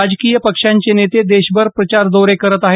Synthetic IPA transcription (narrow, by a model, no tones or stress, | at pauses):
ad͡ʑkijəpəkʂãɲt͡ɕenet̪ed̪eɕbəɾpɾət͡ɕaɾd̪oɾekəɾət̪aɦe